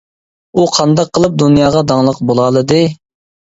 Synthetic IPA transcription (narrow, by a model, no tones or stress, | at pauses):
uqʰɑnd̪ɑqʰːəlˠɨp̚d̪unjɑːʁɑd̪ɑŋlˠəqbolˠɑlˠɨd̪ɨ